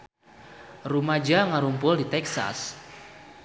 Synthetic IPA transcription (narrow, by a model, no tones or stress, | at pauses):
rumad͡ʒaŋaɾumpʊldit̪ɛksa̰s